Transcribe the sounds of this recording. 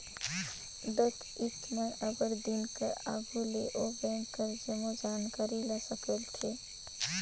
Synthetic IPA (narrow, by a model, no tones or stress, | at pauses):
d̪ət̪ | it̪meʔəɡəɾd̪inkeʔaɡʱuleʔobɛ̃ːŋkəɾd͡ʒəmod͡ʒankaːɾilɛsəkəlt̪ʰe